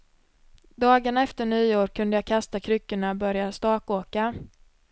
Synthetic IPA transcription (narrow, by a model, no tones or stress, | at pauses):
d̪ɑːɡaɳaɛft̪əɳyːoːɾkʰɵnd̪əjɑːkʰast̪akʰɾʏkːəɳabœɾjast̪ɑːkoːka